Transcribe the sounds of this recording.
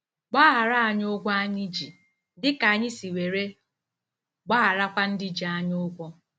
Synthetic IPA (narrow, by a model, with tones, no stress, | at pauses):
ɡ͡ba˦a˨ɾa˦a˨ɲ˦ʊ˦ɡʷɔ˦a˦ɲɪ˦d͡ʒi˨ | dɪ˦ka˨a˨ɲɪ˦si˨we˨ɾe˦ | ɡ͡ba˦˨ɾa˦kʷa˦n̩˦dɪ˦d͡ʒi˨a˦ɲo˦ɡʷɔ˦